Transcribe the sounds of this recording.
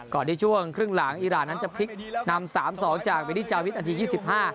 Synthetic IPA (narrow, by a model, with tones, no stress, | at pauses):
kɔː˨˩nt̪ʰiː˥˩t͡ɕʰu˥˩əŋkʰɾɯ˥˩ŋlaː˩˦ŋʔiː˧ɾaː˨˩nːa˦˥nt͡ɕa˨˩pʰi˦˥k̚na˧msaː˩˦msɔː˩˦ŋt͡ɕaː˨˩k̚pa˧jt̪ʰiː˥˩t͡ɕaː˧wt̪̚a˧t̪ʰiː˧jiː˥˩si˨˩p̚haː˥˩